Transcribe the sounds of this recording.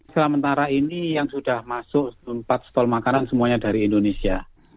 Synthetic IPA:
səlamənt̪aɾainijaŋsudahmasʊʔmpat̪̚st̪ɔlmakanansəmuaɲadaɾiːndonesia

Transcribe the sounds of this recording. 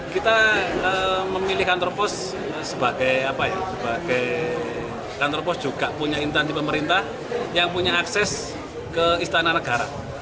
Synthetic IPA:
kit̪aəməmilihkant̪ɾopɔs | səbaɡ̥ajapaja̰səbaɡ̥aj | kant̪ɾɔpɔsd̥ʒ̥uɡ̥aʔpuɲaint̪ɛnsipəməɾint̪ah | jaŋpuɲaːksɛs | kəist̪ananəɡaɾa̰

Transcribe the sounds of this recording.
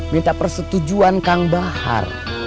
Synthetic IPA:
mint̪apərsət̪ud͡ʒuankaŋbaha̰r

